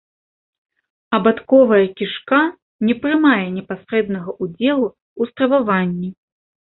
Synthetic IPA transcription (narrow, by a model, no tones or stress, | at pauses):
ɐbat̪kɔvɐjɐkʲiʂka | nʲɛpɾɨmajɛnʲɛpasɾɛd̪nɐɣɐʔud͡zʲɛlˠu | ust̪ɾɐvavanʲːi